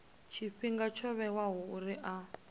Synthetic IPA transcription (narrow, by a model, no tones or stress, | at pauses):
t͡ʃʰiɸiŋɡat͡ʃʰɔβɛwaɦɔuɾiʔa